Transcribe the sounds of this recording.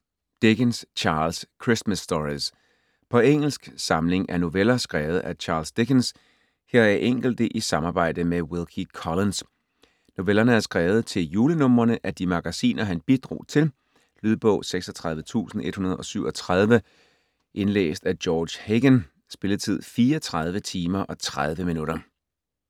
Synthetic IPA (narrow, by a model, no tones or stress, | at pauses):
d̥eɡ̥ənst͡ɕʰɑ̈ːlskʰʁismæsːd̥ɒʁis | pʰɒ̽eŋ̰l̩sɡ̥sɑ̈mle̝ŋʔæɐno̝ʋelɐsɡ̥ʁɛːʊð̞̩ˠʔæt͡ɕʰɑ̈ːlsd̥eɡ̥əns | heɐ̰eʔeŋ̰ɡ̥l̩d̥əʔisɑ̈mɑ̈ːb̥ɑ̈ɪ̰d̥əmewilˠkʰikʰɒlens | no̝ʋelɐnəæɐsɡ̥ʁɛːʊð̞̩ˠt͡sʰe̝ljuːlənɔ̽m̰ɐnəʔæd̥imɑ̈ɡ̥æsḭːnʔɐɦænb̥id̥ʁo̰ːt͡sʰe̝l | lyð̞ˠb̥ɔ̽ʊ̰seɡ̥sɒt͡sʰʁäð̞ˠʋət͡sʰṵːsn̩e̝d̥hunɐð̞̩ˠɒ̽syʊ̰ɒ̽t͡sʰʁað̞ˠʋə | ʔe̝nlḛːsd̥æd̥jɒːd̥ɕheɡ̥ən | sb̥e̝ləðˠt͡sʰið̞̰ˠfiːɒt͡sʰʁað̞ˠʋət͡sʰiːmɐʔɒ̽t͡sʰʁað̞ˠʋəminuɾɐ